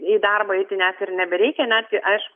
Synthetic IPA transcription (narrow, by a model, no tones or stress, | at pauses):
iːd̪ɐrbɐɪt̪ʲɪnʲætɪrnʲɛbʲɛɾʲɛɪkʲɛnʲæt̪ʲɪʔɐɪʃkʊ